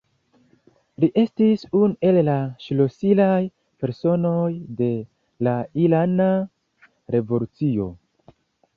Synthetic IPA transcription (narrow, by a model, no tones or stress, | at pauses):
liʔe̞stisunue̞llaʃlo̞silaj | pe̞ɾso̞no̞jde̞ | lailana | ɾe̞vo̞lut͡sio̞̰